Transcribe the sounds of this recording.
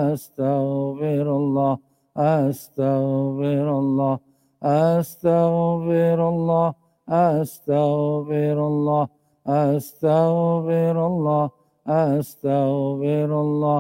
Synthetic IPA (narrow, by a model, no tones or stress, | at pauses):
ast̪aɣfɪɾalːɑː | ʔast̪aɣfɪɾalˤːɑː | ʔast̪aɣfɪɾalːɑː | ʔast̪aɣfɪɾalˤːɑː | ʔast̪aɣfɪɾalˤːɑː | ʔast̪afɪɾalˤːɑː